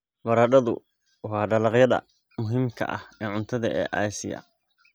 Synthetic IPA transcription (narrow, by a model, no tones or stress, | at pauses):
wɐɾɑːɖɐðʊ̰ | wɑːɖɐlɑqjɐðɐ̰ | mʊɦiːmkʰɐ̰ʔɐ̰hɛːʕʊnt̪ʰɐðɐʔɛ̰ːʔɑːjsɪ̰jɐ̰